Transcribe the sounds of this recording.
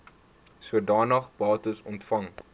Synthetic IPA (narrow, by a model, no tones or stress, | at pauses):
suədɑːnɐχbɑːtəsɔntfɐŋ